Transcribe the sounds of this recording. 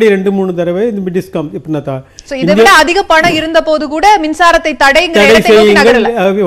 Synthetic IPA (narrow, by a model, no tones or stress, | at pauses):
ɽiɾɛɳɖɯmuːɳːɯt̪ɐɾɐʋeːɪd̪ɐmɖɪskɐːmɪpːɽɪnːaːt̪ãːsoːɪnðɯʋ̪ɪɽɐɐðɪɣɐpɐɳɐ̃ɪɾɯnd̪ɐpoːðɯkuːɽɐmɪnsaːɾɐt̪ːɐɪt̪ːɐɽɐɪɪŋɡɐɐɽɐɐsɐɛjːɯnaːɡɐɭlː